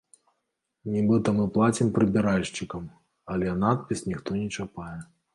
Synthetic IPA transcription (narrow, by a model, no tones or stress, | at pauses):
nʲibɨt̪ɐmɨplˠat͡sʲimpɾɨbʲiɾalʲʂt͡ʃikɐm | ɐlʲɛnat̪̚pʲisnʲixt̪ɔnʲɛt͡ʂapajɛ